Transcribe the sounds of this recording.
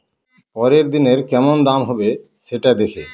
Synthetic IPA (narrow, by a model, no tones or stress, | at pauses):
pɔɾeɾd̪ineɾkɛmond̪amɦɔbe | ʃeʈad̪ekʰe